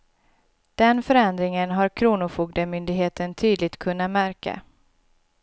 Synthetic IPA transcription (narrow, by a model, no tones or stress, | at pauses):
d̪̥ɛnfœɾɛnd̪ɾɪŋənɦaɾkʰɾuːnʊfuːɡ̚d̪əmʏnd̪ɪɡɦeːt̪ənt̪ʰyːd̪lɪɡ̚t̪kʰɵnːamæɾka̰